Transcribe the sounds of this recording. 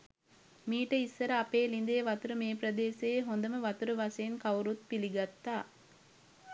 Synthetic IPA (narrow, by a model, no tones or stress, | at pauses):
miːʈɐisːɐɾɐɐpeːlind̪eːʋɐt̪uɾumeːp̬ɾɐd̪eːseɦond̪ɐməʋɐt̪uɾuʋɐsɐːnkɐwɾut̪̚piliɡɐt̪ːaː